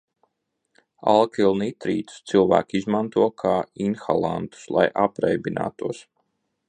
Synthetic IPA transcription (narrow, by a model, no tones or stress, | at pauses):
a̰lˠkilˠnit̪ɾiːt̪u̥st̪silˠvæ̰ːkizmant̪uɔkʰaːinxalˠant̪u̥slˠa̰jʔapɾɛjbina̰ːt̪uɔs